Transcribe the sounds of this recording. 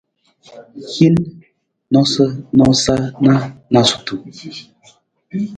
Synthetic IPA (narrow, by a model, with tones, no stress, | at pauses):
hi˦n | nɔ˦sə˦nɔ˦sa˦na˦na˨su̥˨tu˨